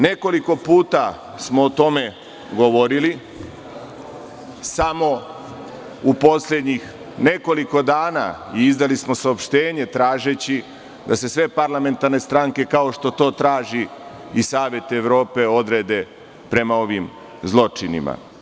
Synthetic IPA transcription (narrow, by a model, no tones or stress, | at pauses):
ne̞ko̞liko̞puːt̪a | smo̞ːt̪o̞me̞ | ɡoʋo̞ɾili | samo̞ | upo̞slʲed̪ɲix | ne̞ko̞liko̞d̪aːnaiizd̪alismo̞saopʃt̪e̞ːɲe̞t̪ɾaːʒet͡ɕi | d̪ase̞sʋe̞paɾlame̞nt̪aɾne̞st̪ɾaŋke̞kao̞ʃt̪o̞t̪o̞ːt̪ɾaːʒi | isaːʋe̞t̪e̞ʋɾo̞ːpe̞o̞d̪ɾed̪e̞ | pɾe̞mao̞ʋim | zlˠo̞t͡ʃinḭma̰